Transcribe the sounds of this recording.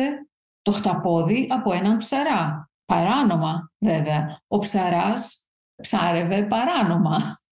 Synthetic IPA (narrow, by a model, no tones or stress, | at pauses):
e | t̪o̞xt̪ɐpo̞ðiʔɐpo̞e̞nɐnpsɐɾɐ | pɐɾɐno̞mɐve̞veɐo̞psɐɾɐs | psɐɾe̞ve̞pɐɾɐno̞mɐ